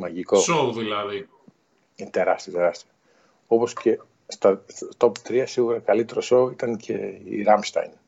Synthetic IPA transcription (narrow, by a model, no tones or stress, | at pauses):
mɐʝiko̞soðilɐði | it̪e̞ɾɐst̪iɐt̪e̞ɾɐst̪i | opo̞sce̞ | st̪ɐt̪o̞pt̪ɾiɐsiɣuɾɐkɐlit̪eɾoso̞it̪ɐncʰe̞̰ḭɾɐmst̪ɐ̰jn